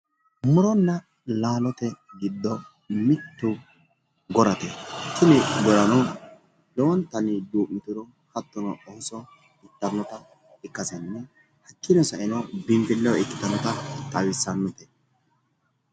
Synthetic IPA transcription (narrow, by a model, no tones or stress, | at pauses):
mʊɾɔnːɐ | laːlɔt̪ɛɡɪd̪ːɔ | mɪt̪ːʊ | ɡɔɾɐt̪ɛt͡ʃːɪnɪɡɔɾɐnɔ | lɛwɔnt̪ɐnɪd̪uːʔmɪt̪ʊɾɔ | hɐt̪ːɔnɔʔɔsɔ | ɪt̪ːɐnːɔt̪ɐ | ɪkːɐsɛnːɛ | hɐkːɪnɔsɐʔɪnɔbɪmpɪlːɛwɪkːɪ̥t̪ɐnɔt̪ɐt̪ʼɐwɪsːɐnːɔt̪ɛ̥